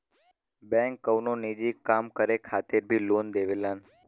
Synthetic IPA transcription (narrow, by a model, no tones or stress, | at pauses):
bɛ̃ŋkːəwnonid͡ʒikːamkəɾekʰat̪eɾbʱilond̪eʋelan